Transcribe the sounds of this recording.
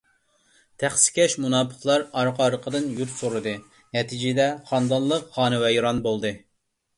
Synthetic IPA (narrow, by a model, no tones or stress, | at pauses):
t̪ʰæχsɪ̥kʲʰɛʃmunɑːpʰə̥χlˠɑɾɑɾqɑɾəqʰəd̪ɨnjuɾsoɾɨd̪ɨ | nɛt̪ʰid͡ʒɪd̪ɛχɑnd̪ɑnllˠəqχɑːnɨwɛjɾɑnbolˠd̪ɨ